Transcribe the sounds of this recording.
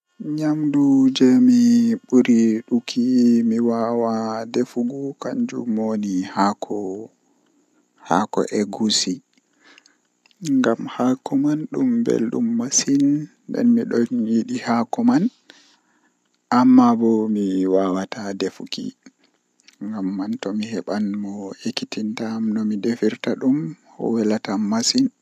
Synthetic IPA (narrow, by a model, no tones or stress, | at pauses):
ɲamdud͡ʒɛmiɓuɾiɗukʰimiwawadefuɡukaɲd͡ʒṵmonihakʰɔ | ha̰kɔ̰ʔɛɡusi | ŋɡamhakɔmanɗumbɛ̰lɗṵmːasin | ɗɛ̰nmiɗɔnjiɗihakɔman | ʔamːabɔmiwawatadefukḭ | ŋɡamːantɔmihɛɓanmɔekːitintamnɔmidefiɾtaɗumhɔ̰wɛlatammasin